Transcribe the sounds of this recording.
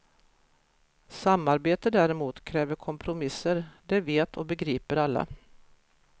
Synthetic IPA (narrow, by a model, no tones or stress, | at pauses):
samːaɾbeːt̪əd̪æɾɛmuːt̪kʰɾɛːvəɾkʰɔmpʰɾʊmɪsːəɾd̪ɛveːt̪ʰɔbɛɡɾiːpəɾalːa̰